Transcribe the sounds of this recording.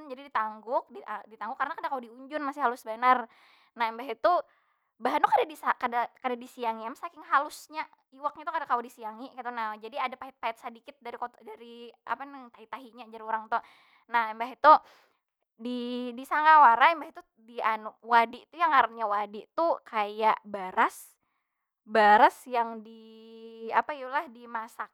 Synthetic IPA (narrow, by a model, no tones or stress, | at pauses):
nd͡ʒadidit̪aŋɡʊk̚didit̪aŋɡʊkːarənakadakaudiuɲd͡ʒʊnmasɪhalʊsbənər | nahɛmbaɦit̪u | baɦantukadadisakadakadadisiaŋiamsakɪŋɦalʊsɲa | iwak̚ɲat̪ukadakaudisiaŋikat̪anad͡ʒadiadapaɪt̪̚paɛt̪̚sədikɪt̪̚daɾikodaɾiʔa̰pant̪aɦit̪aɦiɲad͡ʒaɾioɾaŋt̪u | nahɛmbaɦit̪u | didisaŋawaɾaɛmbahit̪u | dianuwadit̪ujaŋaɾɲawadiʔt̪ukajaʔbaɾas | baɾasjaŋdi | apaiulahdimasak̚